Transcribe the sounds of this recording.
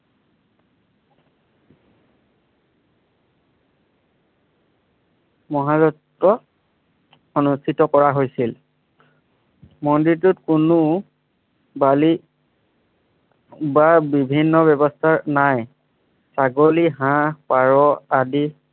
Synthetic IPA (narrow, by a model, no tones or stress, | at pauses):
mɔɦazɔtːɔ | onustʰitɔkɔɹaɦojsil | mɔndiɹtʊtkunu | bali | babibʱinːɔbɛbɔstʰanaj | saɡoliɦãpaɹɔadi